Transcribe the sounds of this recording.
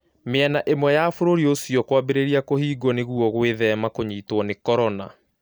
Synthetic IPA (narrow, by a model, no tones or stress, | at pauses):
meanaʔemwɛjafoɾoɾiosjɔkwabeɾeɾiakohiːɡɔneɣuɔɣweðɛmakoɲiːtwɔnekɔɾɔna̰